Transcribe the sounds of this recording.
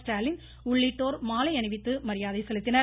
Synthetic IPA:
sʈaːlɪn | ʊɭːɪʈːoːɾmaːlɐɪɐɳɪʋɪt̪ːɯmɐɾɪjaːðɐɪsɛlɯt̪ːɪnɐ

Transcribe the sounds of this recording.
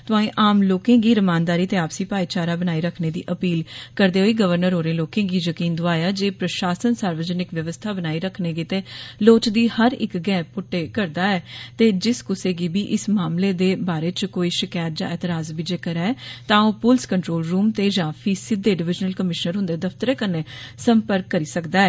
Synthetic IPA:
t̪ʊãːĩːʔaːmloːkẽːɡiːɾəmaːnd̪aːɾiːt̪eːaːpsĩːpaːiːt͡ʃaːɾaːbənaːiːɾəkʰneːd̪ḭːʔəpiːlkəɾd̪eːɦoːiːɡəʋəɾnəɾɦoːɾẽːloːkẽːɡiːjəkiːnd̪ʊaːjaːd͡ʒeːpɾəʃaːsənsaːɾʋəd͡ʒənɪkʋjəʋəst̪ʰaːbənaːiːɾəkʰneːɡiːt̪eːloːt͡ʃd̪iːhəɾɪ̰kɡɛ̃ːpʊʈːeːkəɾd̪aːɛːt̪eːd͡ʒɪskʊseːɡiːbiːʔɪsmaːmleːd̪eːbaːɾeːt͡ʃkoːiːʃɪkaːɾd͡ʒãːʔɛːt̪ɪɾaːzbiːd͡ʒeːkəɾɛːt̪ãːõːpʊlskəɳʈɾoːlɾuːmt̪eːd͡ʒãːpʰiːsɪd̪ːeːɖɪʋɪd͡ʒnəlkəmɪʃnəɾɦʊ̃nd̪eːd̪əfʰt̪əɾeːkəɾneːsəmpəɾkːəɾiːsəkd̪aːɛː

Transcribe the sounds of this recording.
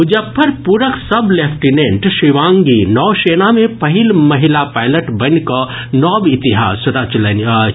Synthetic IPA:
ʊd͡ʒɐpʰːəɾpuːɾəksɐbleːpʰʈinẽɳʈʃiʋãːŋɡinɔːʃeːnamẽpɐɦɪlmɐɦɪlapaːɪləʈbɐnkɐ | nɔːbɪt̪iɦa̰ːsɾat͡ʃln

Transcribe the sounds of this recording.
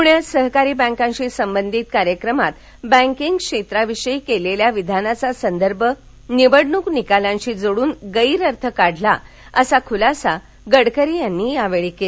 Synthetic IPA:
puɳjat͡ssəɦkaɾiːbə̃ŋkãɲt͡ɕiːsəmbənd̪ʱiːt̪kaɾjəkɾəmat̪ | bə̃ŋkiŋɡkʂet̪ɾaʋiɕəjkeleljaʋid̪ʱanat͡sasənd̪əɾbʱə | niʋəɽnuknikaljãɲɕiːd͡zoɽuːnɡəiɾəɾt̪ʰəkaɽʱla | əsakʰulasa | ɡəɽkəɾijanːiːjaʋeɭike

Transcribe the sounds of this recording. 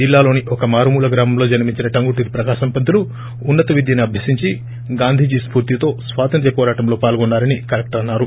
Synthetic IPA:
d͡ʒilːaːlo̞ːniʔɔkɐmaːɾmuːlɐɡɾaːmɐmlo̞ːd͡ʒɐnɐmiɲt͡ʃinɐʈɐŋɡuʈiɾpɾɐkaːʃɐmpɐd̪ʱuluː | nːɐt̪ɐʋid̪jɐniɐbʱjɐsiɲt͡ʃi | ɡaːnd̪ʱiːd͡ʒispuːɾt̪it̪o̞ːsʋaːt̪ɐnt̪̬jɐpɔːɾaːʈɐmlo̞ːpaːlɡɔnːaːɾɐnikɐɾek̚ʈɐɾɐnːaːɾu

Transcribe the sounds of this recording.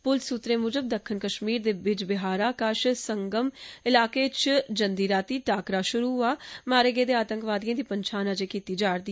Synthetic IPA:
pʊlsuːt̪ɾeːmʊːd͡ʒəb̚d̪əkʰːənkəʃmiːɾd̪eːbɪd͡ʒbɪɦaːɾaːkaːʃsəŋɡəmɪlaːkeːt͡ʃd͡ʒənd̪iːɾaːt̪iːʈaːkɾaːʃʊɾuːɦaːmaːɾeːɡeːd̪eːaːt̪əŋkʋaːd̪ijãːd̪iːpəɲt͡ʃʰaːnad͡ʒeːkiːt̪iːd͡ʒaːɽd̪i

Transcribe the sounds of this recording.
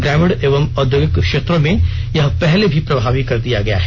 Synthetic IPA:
ɡɾɛːmɪɽeːʋəmɔd̪ʱjoɡɪkkʃeːt̪ɾõmẽjɐɦpɛɦlebʱipɾɐbʱaːʋikɐɾd̪ijaɡɐja̰ɦɛː

